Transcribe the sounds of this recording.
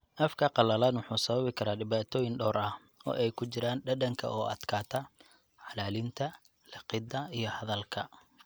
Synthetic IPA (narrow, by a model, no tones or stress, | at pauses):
ʔɐfkʰɐqɑlɐlaːnwʊħuːsɐβɐβɪkʰɐɾaːɖɪβaːt̪ʰɔːjɪnɖɔːɾɐh | ɔ̰ːʔɛjkʰʊt͡ʃɪɾaːnɖɐɖɐŋkʰɐ̰ʔɔːʔɐ̰d̪kʰaːt̪ʰɐ | ʕɑlaːlɪnt̪ʰɐ | lɑqɪd̪ɐijɞhɐðɐlkʰɐ